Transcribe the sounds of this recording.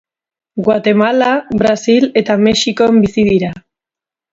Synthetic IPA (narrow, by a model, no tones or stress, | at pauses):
ɡwat̪e̞malaβɾasile̞t̪ame̞ʃiko̞embisiðiɾa